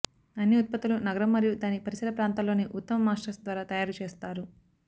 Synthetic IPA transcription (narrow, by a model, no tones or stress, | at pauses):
ɐnːiut̪̚pɐt̪ːulunɐɡɐɾɐmːɐɾijud̪aːnipɐɾisɐlɐpɾaːnt̪ɐlo̞ːniʔut̪ːɐmɐmaːʂʈɐsd̪ʋaːɾaːt̪ɐjaːɾut͡ʃeːst̪aːɾu